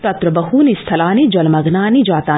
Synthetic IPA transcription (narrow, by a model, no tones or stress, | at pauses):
t̪ɐt̪ɾɐbɐɦuːnist̪ʰɐlaːnid͡ʒɐlmɐɡnaːnid͡ʒaːt̪aː